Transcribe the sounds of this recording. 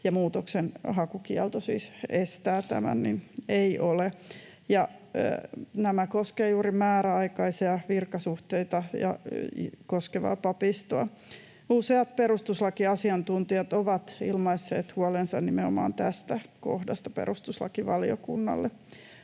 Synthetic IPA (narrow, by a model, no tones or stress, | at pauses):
jɑmuːt̪oksenhɑkukiɛlt̪osḭːsest̪æːt̪æ̰mæ̰nnineiʔole | jɑ̰ | næmækoskeːjuːrimæːɾæɑikɑisiɑʋirkɑsuht̪eit̪ɑjɑ̰ | koskeʋɑ̰ːpɑpist̪oɑ | useɑt̪̚perust̪uslɑkiɑsiɑnt̪unt̪iɑt̪oʋɑt̪ḭlmɑisːḛːt̪huolensɑnnimeo̰mɑ̰ːnt̪æst̪æko̰hdɑst̪ɑpḛɾust̪uslɑ̰kiʋɑlio̰kṵnːɑ̰lːe